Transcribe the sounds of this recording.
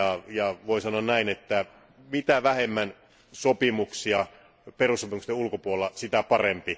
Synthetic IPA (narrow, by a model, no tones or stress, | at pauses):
ɑjɑʋoˑisɑnoɑnnæinet̪ːæ | mit̪æʋæhemːæn | sopimuksiɑ | perusːopimukst̪eulkopuolːɑsit̪æpɑrempi